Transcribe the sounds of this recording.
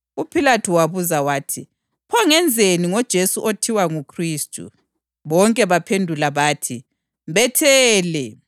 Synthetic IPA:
upʰilatʰuwaβuzawaːtʰi | pʰɔŋɛnd͡zʱeniŋɔd̥ʒ̥ʱesuʔotʰiwaŋukʰriːstʼṵ | βɔŋkʼɛβapʰendʱulaβaːtʰi | mβɛtʰɛːlɛ

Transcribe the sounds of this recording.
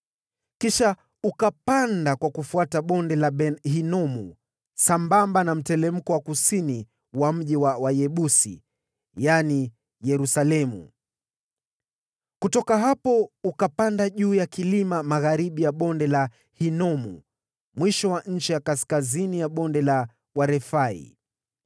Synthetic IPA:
kiʃa | ukapandakwakufuataɓɔndɛlaɦinɔmu | sambambanam̩tɛlɛm̩kɔwakusini | wam̩ʄiwawajɛɓusḭ | jani | jɛɾusalɛmṵ | kutɔkaɦapɔukapandaʄuːjakilimamaɣaɾiɓijaɓɔndɛla | hinɔmṵ | mwiʃɔwaɲ̩t͡ʃijakaskazinijaɓɔndɛla | waɾɛfaḭ

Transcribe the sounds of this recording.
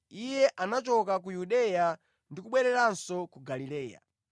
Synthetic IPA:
ijɛʔanat͡ʃɔkak̬ujuɗɛja | ndikuɓwɛɾɛɾansɔkuɡalilɛːja̰

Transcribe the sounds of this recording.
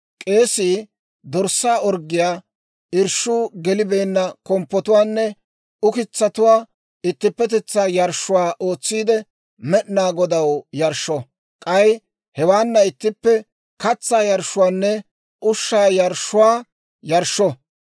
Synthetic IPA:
kʼe̞ːsiː | d̪ɔɾsːaːɔɾɡɪjaː | ɪɾʃuːɡɛlɪbe̞ːnːɐkɔmpːɔt̪ʊwaːnːɛ | ʊkɪt͡sːɐt̪ʊwaː | ɪt̪ːɪpːɛt̪ɛt͡sːaːjɐɾʃʊwaːʔo̞ːt͡sːiːd̪ɛ | mɛʔnaːɡɔd̪ɐwjɐɾʃːɔ | kʼɐj | hɛwaːnːɐɪt̪ːɪpːɛ | kɐt͡sːaːjɐɾʃːʊwaːnːɛ | ʔʊʃːaːjɐɾʃʊwaː | jɐɾʃɔ

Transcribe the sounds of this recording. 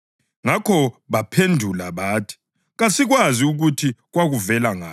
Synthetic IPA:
ŋakʰɔβapʰendʱulaβaːtʰi̥ | ɣasiɣwaziuɣutʰiɣwaɣuvɛlaŋaː

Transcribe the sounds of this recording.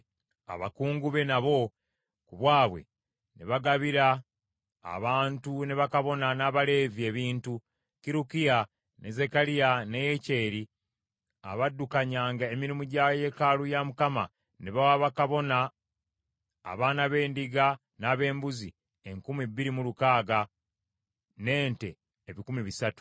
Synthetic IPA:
a̰βa̰kuːŋɡuβe̞naβo̞ | kuβwaːβwe̞̰ | neβaɡaβiɾa̰ː | βaːntune̞βakaβo̞nanaːβale̞vie̞ːβiːntu | kiɾukija | nʔeze̞kalijanejece̞ːɾi | a̰βadːukaɲaːŋɡaemiɾimuɟaje̞kalujamukama̰ | neβawaβakaβo̞na | βaːnaβe̞ːndiɡa | naːβe̞ːmbuzi | e̞ŋkumibiɾimulukaːɡa | ne̞ːnte̞ː | βikumiβisatu̥

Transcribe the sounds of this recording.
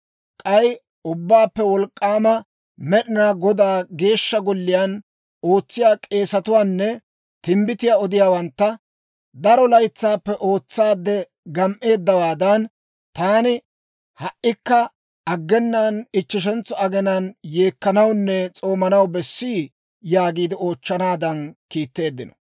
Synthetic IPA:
kʼɐj | ʊbːaːpːɛwɔlkʼːaːmɐ | mɛɗɪnaːɡɔd̪aːɡe̞ːʃːɐɡɔlːɪjan | o̞ːt͡sːɪjaːkʼe̞ːsɐt̪ʊwaːnːɛ | t̪ɪmbɪt̪ɪjaːɔd̪ɪjaːwɐnt̪ːɐ | d̪ɐɾɔlɐjt͡sːaːpːɛʔo̞ːt͡sːaːd̪ːɛ | ɡɐmʔe̞ːd̪ːɐwaːd̪ɐn | t̪aːnɪ | hɐʔːɪkːɐ | ɐɡːɛnːanɪt͡ʃːɪʃ̬ɛnt͡sːɔɐɡɛnɐnje̞ːkːɐnɐwnːɛt͡sʼo̞ːmɐnɐwbɛsːiː | jaːɡiːd̪ɪo̞ːt͡ʃːɐnaːd̪ɐnkiːt̪ːe̞ːd̪ːɪnɔ̥

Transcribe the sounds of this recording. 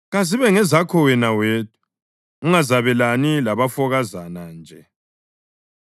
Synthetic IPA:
ɣaziβɛŋɛzakʰɔwɛnaweːt̚ʰʼu̥ | uŋazaβɛlanilaβafɔɣazanand͡ʒʱɛ

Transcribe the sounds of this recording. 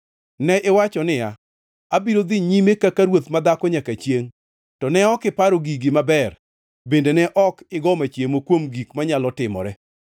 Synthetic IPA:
nɛʔɪwat͡ʃɔnɪjaː | biɾod̪ɪɲimekakaɾwot̪mad̪akɔɲakat͡ʃjeŋ | tɔnɛɔkɪpaɾoɡiɡɪmabɛr | bendenɛʔɔkɪɡɔmat͡ʃjemokwomɡikmaɲalɔtɪmɔ̰ɾɛ

